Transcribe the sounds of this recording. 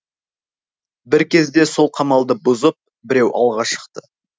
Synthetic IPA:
bɪɾkʲʰe̞zd̪e̞so̞lˠqʰɑmɑlˠd̪əbʊzəp̚ | bɪɾewʔɑ̰lˠʁɑʃə̥qt̪ə

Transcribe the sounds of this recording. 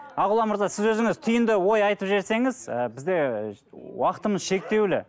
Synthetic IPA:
ɑʁʊlˠɑməɾzɑsɪzwɵzɪŋɪzt̪ʰʏjɪnd̪ɪwo̞jɑjt̪əpʒe̞ɾse̞ŋɪzəbɪzd̪e̞ | wɑqə̥t̪əməzʃe̞k̚t̪e̞wlɪ̰

